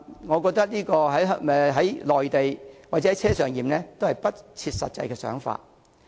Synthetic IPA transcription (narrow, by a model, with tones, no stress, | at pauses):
ŋɔ˨˧kɔː˧k̚t̪ɐ˥k̚niː˥kɔː˧ɦɐ˨˥jɦɐ˨˦jlɔː˨jt̪e˨jwaː˨t̚ɛ˨˥˨jt͡sʰɛː˥sœː˨˩ŋjiː˨mnlɛː˥t̪o˥whɐ˨˩jpɐ˥t̚t͡sʰiː˧t̚sɐ˨t̚t͡sɐ̰˧jkɛː˧sœ̰ː˨˥ŋfa̰ː˧t̚